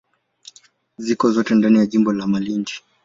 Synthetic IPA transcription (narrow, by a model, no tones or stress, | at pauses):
zikɔzɔtɛndanijaʄimbɔlamalind͡ʒi̥